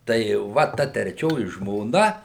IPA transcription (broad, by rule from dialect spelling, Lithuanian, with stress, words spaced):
tɐɪ ˈʋɐ ˈtɐ tʲrʲɛˈt͡ʃʲoːjɪ ʒmoːˈnɐ